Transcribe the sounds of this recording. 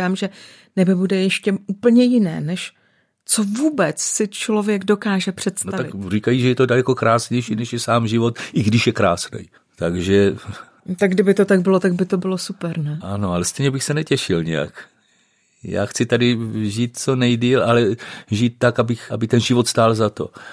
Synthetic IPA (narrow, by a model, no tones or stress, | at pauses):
aːmʒɛ | nɛbɪbudɛjɛʃcɛʔuːpl̩ɲɛjɪnɛ̰ːnɛʃ | t͡so̞vuːbɛt͡ssɪt͡ʃlo̞vjɛɡdo̞kaːʒɛpr̝̥ɛt̪stnoaavɪrikajiʒɛjɛt̪odalɛko̞kɾaːsɲɛjʃiːnɛʃjɛsaːmʒɪvo̞t̪ʔɪɡdɪʃjɛkɾaːsnɛ̰j | t̪aɡʒɛ | t̪aɡdɪbɪt̪ot̪aɡbɪlot̪aɡ̚bɪt̪o̞bɪlosupɛɾnɛʔano̞alɛst̪ɛjɲɛbɪxsɛnɛcɛʃɪlɲɛ̰ja̰k | ja̰ːxt͡sɪt̪adɪʒiːt̪̚t͡so̞nɛjdiːlalɛʒiːt̪̚ːakabɪxʔabɪt̪ɛnʒɪvot̪st̪aːlzat̪o̞̰